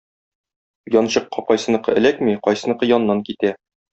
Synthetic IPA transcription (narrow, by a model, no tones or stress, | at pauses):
jɒnɕɤ̆qːɑqɒjsɤ̆nɤ̆qɤ̰ɘ̆lækmiqɒjsɤ̆nɤ̆qɤjɒnːɑŋkit̪æ